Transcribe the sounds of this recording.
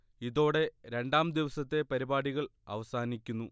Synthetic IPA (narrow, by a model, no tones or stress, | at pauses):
iðo̞ːɽe̞ɾe̞ɳɖaːmd̪iʋɐsɐt̪ːe̞pɐɾibaːɽiɣɐɭɐ̰ʋɐsaːnikʲːunːu